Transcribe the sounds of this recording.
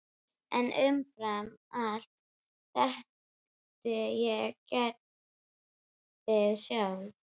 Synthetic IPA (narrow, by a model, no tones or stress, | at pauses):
ɛ̰nʔʏmfɾamal̥t̪ | θɛh | t̪ɪjɛkɛt̪̚ | ɪðsjaw